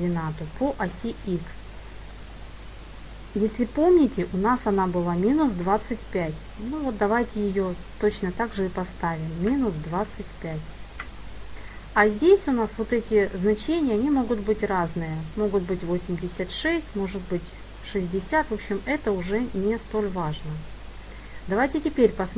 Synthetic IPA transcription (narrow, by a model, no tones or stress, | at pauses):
dʲɪnat̪ʊpʰoʔɐsʲiiks | jesʲlʲɪpo̞mnʲɪtʲɪʔʊnasɐnabɨlˠamʲinʊsd̪vat̪sɨtʲpʲætʲ | nuvo̞t̪̚d̪ɐvajtʲɪjɪjo | t̪ot͡ɕnət̪aɡʐɨɪpɐst̪avʲɪmːʲinʊsd̪vat̪sɨtʲpʲætʲ | azʲdʲesʲʊn̪asvo̞t̪ɛtʲɪznɐt͡ɕenʲɪjəɐnʲimo̞ɡʊt̪bɨtʲraznɨjəmo̞ɡʊt̪̚bɨtʲvo̞sʲɪmʲdʲɪsʲət̪ʂɛsʲtʲmo̞ʐɨt̪̚bɨtʲ | ʂɨzʲdʲɪsʲat̪vo̞pɕːɪmɛt̪əʊʐɛnʲɪst̪o̞lʲvaʐnə | d̪ɐvajtʲɪtʲɪpʲeɾʲpəs